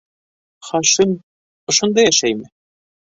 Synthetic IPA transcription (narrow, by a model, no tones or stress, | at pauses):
χɑʃim | ŏʃŏnd̪ɑjæʃæjmɘ